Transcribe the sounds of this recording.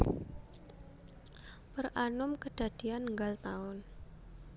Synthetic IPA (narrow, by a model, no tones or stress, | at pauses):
pərʔanʊmkəd̥ä̤d̪̥i̤anŋɡalt̪aʊn